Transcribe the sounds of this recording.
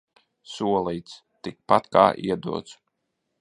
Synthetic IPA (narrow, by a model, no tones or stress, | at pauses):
suɔlˠijt̪s | t̪ik̚pat̪ka̰ːʔḭɛd̪ṵɔt̪s